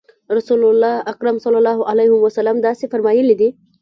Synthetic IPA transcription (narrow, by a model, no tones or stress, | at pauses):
ɾasulʊlːɑaqɾamsɑlalɑɦalajhʊwasalamd̪ɑsefaɾmɑjəlid̪i